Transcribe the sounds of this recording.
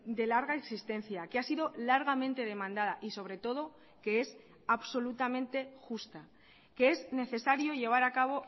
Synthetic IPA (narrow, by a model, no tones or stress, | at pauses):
d̪e̞laɾɣaeksist̪e̞nθjakeasiðo̞laɾɣamẽ̞nt̪e̞ð̞e̞mãnd̪aðaʔiso̞βɾe̞t̪o̞ð̞o̞ | ke̞e̞s | aβso̞lut̪amẽnt̪e̞xust̪a | kee̞zne̞θe̞saɾjoʝe̞β̞aɾakaβ̞o̞